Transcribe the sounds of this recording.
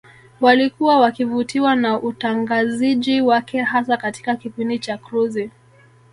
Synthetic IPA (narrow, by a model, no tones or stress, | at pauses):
walikuwawakivutiwanaʔutaŋɡaziʄiwakɛɦasakati̥kakipindit͡ʃakɾuzi